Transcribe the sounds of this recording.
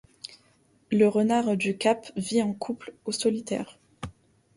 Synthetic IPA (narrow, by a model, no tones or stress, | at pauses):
ləʁənaʁd̪ykapviɑ̃kʰuplosɔlit̪ɛ̰ːʁ